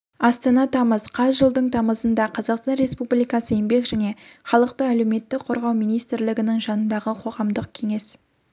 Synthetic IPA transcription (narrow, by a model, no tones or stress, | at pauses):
ɑst̪ɑnɑt̪ʰɑməzqʰɑzʒəlˠd̪əɴt̪ʰɑməzənd̪ɑqʰɑzɑqst̪ɑnɾe̞spublijkɑsəe̞mbe̞kʒæne̞χɑlˠəqt̪əæle̞wme̞t̪ːɪkqʰo̞ɾʁɑwmijnijst̪ɪɾlɪɡʲɪnɪŋʒɑnənd̪ɑʁəqʰo̞ʁɑmd̪əq̚kʲʰe̞ŋe̞s